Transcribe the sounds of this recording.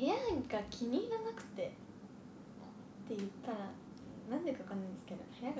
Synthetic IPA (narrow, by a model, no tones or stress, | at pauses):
he̞jaɡakʲʰiɲ̟iɡanakɯ̟̥t̪e̞ | o | t̪ːe̞jɯ̟t̪ːaɾa | nãnd̪ekakãnːaĩd̪esɨ̥ke̞d̪o̞̰hejaɡ